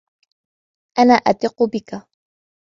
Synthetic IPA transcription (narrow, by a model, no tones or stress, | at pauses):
ʔanaːʔat̪ɪqːʊbɪka